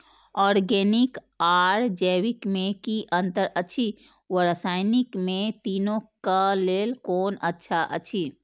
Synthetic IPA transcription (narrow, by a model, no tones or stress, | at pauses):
ɔːɾɡeːnɪk | aːɾd͡ʒɛːwikmẽkiʔə̃nt̪əɾətːt͡ʃʰi | wəɾəsaːɪnɪkmẽt̪iːnõkaleːlkoːnətːʃʰaʔə̰tːt͡ʃʰi